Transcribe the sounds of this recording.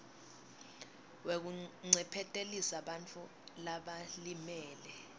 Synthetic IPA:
wek̬uŋ͡ǀʱɛpʰɛtʼelisaɓant͡fʰʼu | laɓalimɛːlɛ

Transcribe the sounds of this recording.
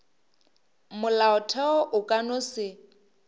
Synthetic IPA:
mʊlaʊtʰɛɔʔʊkʼanʊsɪ

